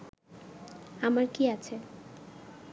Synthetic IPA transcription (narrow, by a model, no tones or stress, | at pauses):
amaɾkiat͡ɕʰe